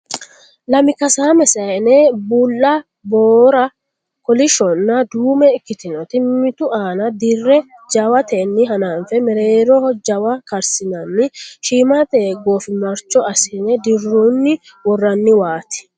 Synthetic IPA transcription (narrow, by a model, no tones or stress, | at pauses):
lɐmɪkɐsaːmɛsɐnebuːlːɐ | boːɾɐ | kɔlɪʃɔnːɐd̪uːmɛɪkːɪt̪ɪnɔt̪ɪmɪt̪ʊʔaːnɐd̪ɪrːɛd͡ʒɐwɐt̪ɛnːɪɦɐnaːnfɛmɛɾeːɾɔhɔd͡ʒɐwɐkɐɾsɪnɐmːɪʃiːmat̪eːɡoːfɪmɐɾt͡ʃːɔɐsɪnɛd̪ɪrːunːɪ | wɔrːɐnːɪwaːt̪ɪ̥